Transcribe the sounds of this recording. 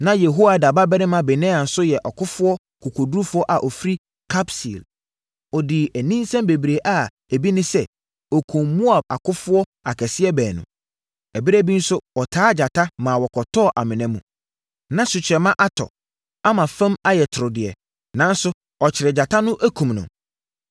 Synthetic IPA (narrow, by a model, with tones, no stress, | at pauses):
nã˦jɛ˨ɦo˦a˨da˨ba˦bɛ˦ɾɪ̃˦mã˨bɛ˨nɛ̃ː˦a˨n̩˨sʊ˦jɛ˨ʔɔ˨kʰʊ˦fʊ˦ɔ˦ | kʰʊ˨kʰo˨du˦u˦fʊ˦ɔ˦ʔa˨ʔɔ˨fɾi˦ | kʰa˦psḭ˨l | ɔ˨dɪ˨æ˨nĩ˦n˦sɛ̃˦mbe˨bɾe˨ʔa˨ | æ˨bi˦nɪ̃˦sɛ˦ | ɔ˨kʰũ˨mmũ˦a˨b̚a̰˨kʰʊ˦fʊ˦ɔ˦ | a˨kʰɛ˨sɪ˦ɛ˦bɛː˨nʊ̰̃˨ | ɛ˨bi˦ɾæ˦bi˦n̩˦sʊ˦wɔ˨tʰaː˦d͡ʑa˨tʰa˦mãː˨wɔ˨kʰɔ˨tʰɔː˦˨ʔa˨mɪ̃˨nɛ̃˦mṵ̃˨ | nã˦sʊ˨t͡ɕʰɛ˨mã˦ʔa˦tʰɔ̰˨ | a˦mã˨fæ̃˦ma˦jɛ˨tʰʊ˨ɾʊ˨dɪ˨ɛ̰˨ | nã˨˦n̩˦sʊ˦ | ɔ˨t͡ɕʰɪ˨ɾɪ˨d͡ʑa˨tʰa˦nʊ̃˦ʔæ˦kʰũ˨mnʊ̰̃˨